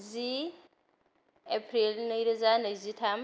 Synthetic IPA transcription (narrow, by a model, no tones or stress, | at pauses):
zi | epʰɾilneiɾezanezitʰam